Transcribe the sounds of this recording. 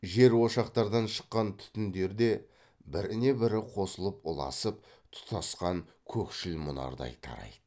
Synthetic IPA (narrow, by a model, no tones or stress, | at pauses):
ʒe̞ɾwo̞ʃɑqt̪ɑɾd̪ɑnʃə̥qːɑnt̪ʰʏ̥t̪ɪnd̪e̞ɾd̪e̞ | bɪɾɪne̞bɪɾɪqʰo̞səlˠəpʊlˠɑ̰səp̚ | t̪ʰʊ̥t̪ɑsqɑŋ | kʲʰɵkʃɪlmʊnɑ̰ɾd̪ɑ̰jt̪ʰɑ̰ɾɑ̰jd̪̥ə